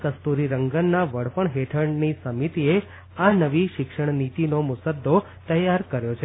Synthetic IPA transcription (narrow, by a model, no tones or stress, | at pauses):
kəst̪uɾiɾəŋɡənːaʋəɽ̤pəɳɦeʈʰəɳnisəmit̪ie | anəʋiʃɪkʂəɳ̃nit̪inomʊsəd̪ʱːo | t̪əjaɾkəɾjot͡ʃʰe